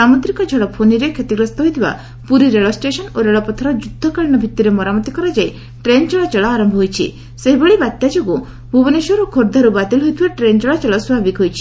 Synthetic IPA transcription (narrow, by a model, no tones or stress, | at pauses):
samɔt̪ɾikɔd͡ʒʱɔɽɔpʰoniɾekʰet̪iɡɾɔst̪ɔɦojt̪ʰiba̰ | puɾiɾeɭɔsʈesɔnoɾeɭɔpɔt̪ʰɔɾɔd͡ʒud̪ʱːɔkaɭiñɔbʱit̪ːiɾemɔɾamɔt̪ikɔɾad͡ʒaj | ʈɾent͡ʃɔɭat͡ʃɔɭɔaɾɔmbʱɔɦojt͡ʃʰḭ | seɦibeɭibat̪jad͡ʒoɡu | bʱubɔnesɔɾokʰoɾd̪ʱaɾubat̪ilɦojt̪ʰibaʈɾent͡ʃɔɭat͡ʃɔɭɔswbʱabikɦojt͡ʃʰi̥